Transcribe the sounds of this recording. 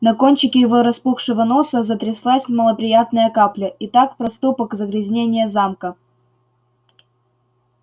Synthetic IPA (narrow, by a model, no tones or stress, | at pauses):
nɐko̞nʲt͡ɕɪkʲɪɪvoɾɐspuxʂɨvəno̞səzət̪ɾʲɪslˠasʲməlˠəpɾʲɪjat̪nəjəkaplʲəʔɪt̪akpɾɐst̪upəkzəɡɾʲɪzʲnʲenʲɪjəzamkə